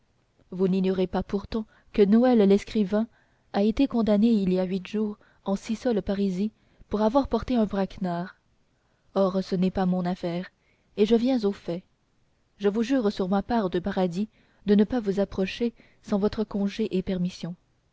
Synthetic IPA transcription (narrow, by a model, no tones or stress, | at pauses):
vuniɲjɔʁepapuʁt̪ɑ̃ | kənɔɛllɛskχivɛ̃ | aet̪ekɔ̃d̪aneiljaɥit̪ʒuːʁ | ɑ̃sisɔlpaʁizi | puʁavwaʁpɔʁt̪eɛ̃bʁaknaːʁ | ɔʁsənɛpamɔ̃nafɛːʁ | eʒəvjɛ̃zofɛ | ʒəvuʒyːʁsyʁmapaːʁd̪əpaʁad̪i | d̪ənəpavuzapχɔʃe | sɑ̃vɔt̪χəkɔ̃ʒeʔepɛʁmisjɔ̃